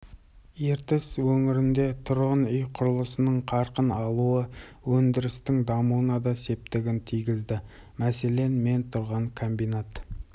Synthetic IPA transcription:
je̞ɾt̪ɪswɵŋɪɾɪnd̪e̞t̪ʰʊɾʁənʏjqʰʊɾəlˠəsənəɴqʰɑɾqənɑlˠuə | wɵnd̪ɪɾɪst̪ɪŋd̪ɑmuwənɑd̪ɑse̞p̚t̪ɪɡʲɪnt̪ʰijɡʲɪzd̪ɪ | mæse̞le̞nme̞nt̪ʰʊɾʁɑŋkʰo̞mbijnat̪

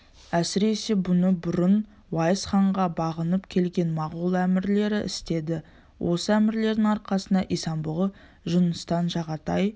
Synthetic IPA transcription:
æsɪɾe̞se̞bʊnəbʊɾən | wɑjəsχɑɴʁɑbɑʁənəpkʲʰe̞lɡʲe̞nmɑʁulˠæmɪɾle̞ɾɪʔɪ̰st̪e̞d̪ɪ | wʔo̞səæmɪɾle̞ɾd̪ɪŋɑɾqɑsənd̪ɑʔisɑmbʊlˠə | ʒʊnəst̪ɑnʒɑʁɑt̪ɑj

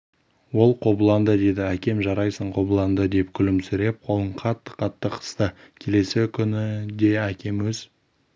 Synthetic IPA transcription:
wo̞lˠqʰo̞blˠɑnd̪əd̪e̞d̪ɪækʲe̞mʒɑɾɑjsəɴqʰo̞blˠɑnd̪əd̪e̞pkʲʰʏlɪmsʏɾe̞p̚qʰo̞lˠəɴqʰɑt̪ːə̥qʰɑt̪ːəqʰə̥st̪ə | kʲʰe̞le̞sɪkʲʰʏnɪd̪e̞ækʲʰe̞mwɵz̥

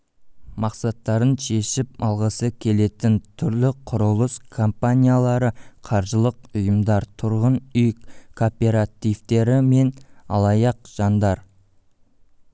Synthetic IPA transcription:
mɑqsɑt̪ːɑɾənʃe̞ʃɪp̚ɑlˠʁəsəkʲʰe̞le̞t̪ɪnt̪ʰʏɾlɪqʰʊɾʊlˠəskʰompanʲijalˠɑɾəqʰɑɾʒəlˠəq̚ʊjəmd̪ɑɾt̪ʰʊɾʁənʏjkʰo̞pʲe̞ɾat̪ijvt̪e̞ɾɪme̞nɑ̰lˠɑjɑq̚ʒ̥ɑnd̪ɑɾ

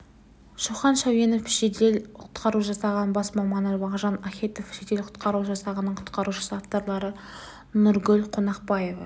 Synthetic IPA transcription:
ʃuχɑnʃæwe̞nofʃed̪e̞lʰʊ̥t̪qɑɾuʒɑsɑʁɑnbɑsmɑmɑnəɾbɑʁʒɑnakʲe̞t̪ofʃet̪e̞lqʰʊt̪qɑɾuʒɑsɑʁənːəɴqʰʊ̥t̪qɑɾuʃə̥səɑft̪ɑɾlˠɑɾə | nʊɾɡʲɵlqʰo̞nɑqpɑje̞vɑ

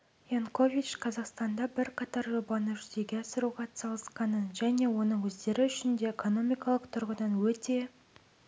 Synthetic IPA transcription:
jonko̞vʲit͡ʃqʰɑzɑqst̪ɑnd̪ɑbɪɾqʰɑt̪ɑɾʒobɑnəʒʏze̞ɡʲe̞ɑsəɾuʁɑsɑlˠəsqɑnənʒæne̞wo̞nəŋwɵzd̪e̞ɾɪʏʃɪnd̪e̞ːekʰo̞no̞mʲijkɑlˠəqt̪ʰʊɾʁəd̪ɑnwɵt̪e̞

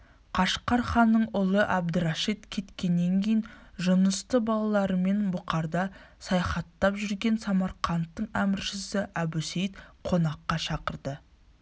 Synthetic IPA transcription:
qʰɑʃqɑɾχɑnːəɴʊlˠəʔæb̚d̪əɾɑʃit̪kʲʰe̞t̪kʲe̞nːe̞ŋkʲʰejɪnʒʊnəst̪əbɑlˠɑlˠɑɾəme̞nbʊqɑɾd̪ɑ | sɑjɑχɑt̪ːɑpʒʏɾɡʲe̞nsɑmɑɾqʰɑnt̪ːəɴæmɪɾʃɪsɪʔæbusejt̪qʰo̞nɑqːɑʃɑqəɾd̪ə

